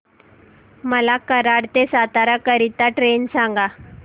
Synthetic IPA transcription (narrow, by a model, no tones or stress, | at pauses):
məlakəɾaɽt̪esat̪aɾakəɾit̪aʈɾensãŋ̆ɡa